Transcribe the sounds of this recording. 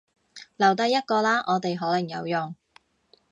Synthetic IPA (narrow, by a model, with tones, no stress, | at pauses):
lɐ˨˩wt̪ɐ˧jːɐ˥t̚kɔː˧laː˥ʔɔː˨˧t̪e˨jɦɔː˨˥lɐ˨˩ŋjɐ˨˧wjʊ˨˩ŋ